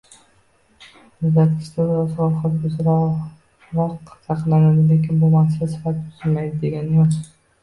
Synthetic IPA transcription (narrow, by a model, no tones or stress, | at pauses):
ʊzd̪at̪ʰʲɪ̥st̪aɾasɒχɨɾbʊzɾa | ɾaqsɑqlanad̪ɪle̞kʲɪnbʊmasɪasɪ̥fat̪ʰɪʊ̥zɪlmajd̪ɪd̪e̞ɡʲanɪjɒz